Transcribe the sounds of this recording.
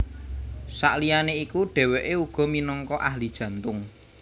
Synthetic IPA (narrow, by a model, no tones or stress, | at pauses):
sa̰ʔlijaneikuɖ̥ɛ̤weʔeuɡ̥ɔ̤minɔŋkɔʔahlid̥ʒ̥ä̤nt̪ʊŋ